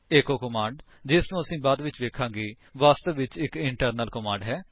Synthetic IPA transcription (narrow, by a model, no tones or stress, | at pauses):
eːkoːkəmãːɳɖ | d͡ʒɪsnũːəsĩːbaːd̪ʋɪt͡ʃʋeːkʰãːŋɡeː | ʋaːst̪əʋʋɪt͡ʃɪkɪɳʈəɾnəlkəmãːɳɖɦɛː